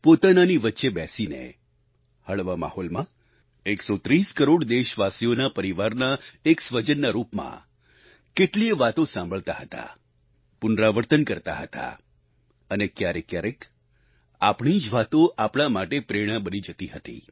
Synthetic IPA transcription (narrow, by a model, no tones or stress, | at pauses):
pot̪ananiʋətːʃebɛsinḛ | həɭʋama̰holmã | eksot̪ɾiskəɾoɽd̪eʃʋasijonapəɾiʋaɾnaeksʋəd͡ʒənːaɾupmã̰ | keʈlieʋat̪õsãmbʱəɭt̪aɦət̪a̰ | pʊnɾaʋəɾt̪ənkəɾt̪a̰ɦət̪a̰ | ənekjaɾekjaɾek | apɳ̃id͡ʒʋat̪oʔapɽ̃amaʈepɾeɽ̃ãbənid͡ʒət̪iɦət̪ḭ